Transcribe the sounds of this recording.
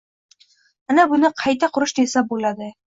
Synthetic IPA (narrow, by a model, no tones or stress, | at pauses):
anabʊnɪqʰɑjt̪ʰaqʰʊɾʊʃd̪esabolad̪ɪ